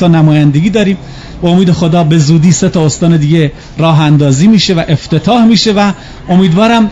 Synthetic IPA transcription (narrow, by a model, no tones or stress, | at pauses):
ɒːnæmɒːjænd̪eɡiːd̪ɒːɾiːm | beomiːd̪exo̞d̪ɒːbe̞zuːd̪iːset̪ʰɒːost̪ɒːne̞d̪iːɡe | ɾɒːɦænd̪ɒːziːmiːʃe̞væʔeft̪et̪ʰɒːhmiːʃe̞væ | o̞miːd̪vɒːɾæm